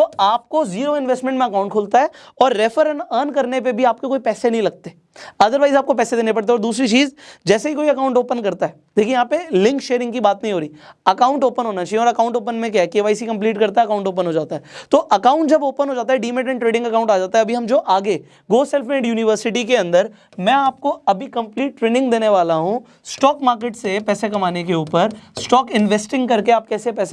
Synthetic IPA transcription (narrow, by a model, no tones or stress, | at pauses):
t̪oaːp̚koziːɾoɪ̃nʋesʈmɛ̃ɳʈmẽɐkaːʊ̃ɳʈ̚kʰoːlt̪aɦɛː | ɔːɾːeːfʰəɾənənkɐɾnep̬ebʱiaːp̚kekoːipɛːsenɐɦĩlɐɡ̚t̪e | ɐd̪əɾʋaːɪzaːp̚kopɛːsed̪eːnepɐɽt̪eɛɔːɾd̪uːsɾit͡ʃiːzd͡ʒɛːseɦikoːiɐkaːʊ̃ɳʈoːpənkɐɾt̪aɦɛːd̪eːkʰiejɐɦãːpelɪ̃ŋkʃeːɾɪ̃ŋɡkibaːt̪nɐɦĩɦoːɾiːɐkaːʊ̃ɳʈoːpənɦoːnat͡ʃaːɦieɔːɾɐkaːʊ̃ɳʈoːp̬ənmẽkjaɦɛkeːʋaːisikɐ̃mpliːʈkɐɾt̪aɛɐkaːʊ̃ɳʈoːp̬ə̃nɦoːd͡ʒaːt̪aɦɛːt̪oʔɐkaːʊ̃ɳʈ̚d͡ʒɐboːpənɦoːd͡ʒaːt̪aɦɛɖiːmẽʈɛ̃ːɳʈɾeːɖɪ̃ŋɡɐkãːʊ̃ɳʈaːd͡ʒaːt̪aɦɛɐbʱiɦɐmd͡ʒoːʔaːɡe | ɡoːsɛːlfmẽːɖjuːnɪʋəɾsɪʈikeɐ̃nd̪əɾ | mɛ̃ːaːp̚koɐbʱikɐ̃mpliːʈːɾeːnɪ̃ŋɡd̪eːneʋaːlaɦũ | sʈɔːkmaːɾkeʈsepɛːsekɐmaːnek̬euːpəɾsʈɔːkɪnʋeːsʈɪ̃ŋɡkɐɾkeaːp̚kɛːsepɛːs